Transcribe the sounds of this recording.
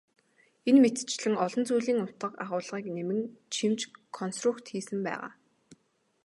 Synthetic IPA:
enmet̪t͡ɕɮɘ̆ŋɔɮɞ̆nt͡suːɮiːŋʊt̪ɢə̆qaʁʊːɮʁiːknemɘ̆ŋt͡ɕʰimt͡ɕkʰɔnst̪rʊkt̪xiːsɘ̆mpæ̰ːʁa̰ː

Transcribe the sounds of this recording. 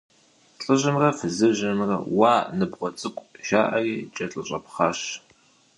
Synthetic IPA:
ɬʼɨʑɨmrɐfɨzɨʑɐnrɐ̰waːnɨbʁʷɔt͡sʼɨkʷʼʃaːʔɐriːt͡ʃʼɐɬʼɨɕʼɐpχɑːɕ

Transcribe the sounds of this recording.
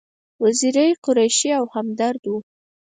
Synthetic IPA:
waziɾajqʊɾajʃiawhamd̪aɾd̪wu

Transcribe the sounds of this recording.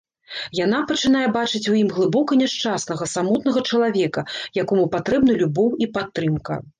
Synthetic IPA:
janapɐt͡ʂɨnajɛbat͡ʂɨt͡sʲujimɣlˠɨbɔkɐnʲɛʂt͡ʂasnɐɣɐsamɔt̪̚nɐɣɐt͡ʂɐlˠavʲɛkɐjakɔmupat̪ɾɛbnɐlʲubɔwipat̪ːɾɨmkɐ̰

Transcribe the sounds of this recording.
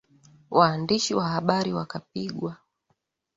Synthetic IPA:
wʔaːndiʃiwaɦaɓaɾiwakapiɠwa

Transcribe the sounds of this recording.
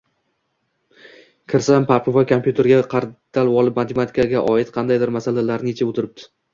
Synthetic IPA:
kʲʰɪɾsampʰapʰɪvajkʰompjut̪ʰe̞ɾɡʲaqʰɑɾd̪̥alˠwɒlˠɪpmat̪ʰemat̪ʰɪ̥kʰaɡʲaʔɒɪt̪qʰɑnd̪ajd̪ɪɾmasalalaɾnet͡ʃʰaot̪ʰɪɾɪp̚t̪ʰɪ̥

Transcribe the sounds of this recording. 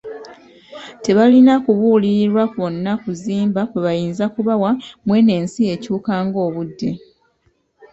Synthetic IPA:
te̞βalinakuβuliɾiɾwakβonːakuziːmbakweβajiːnzakuβawamwe̞ne̞ːnsie̞ːcuːkaːŋɡo̞ːβudːe̞

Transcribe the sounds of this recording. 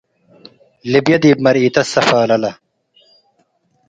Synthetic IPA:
libjɐd̪iːbmɐɾiːt̪ɐsɐfaːlɐlɐ

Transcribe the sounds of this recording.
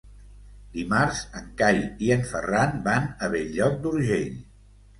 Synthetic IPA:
d̪imaɾzəŋkajiəɱfəranbanəβɛʎʎɔk̚d̪uɾʒeʎ

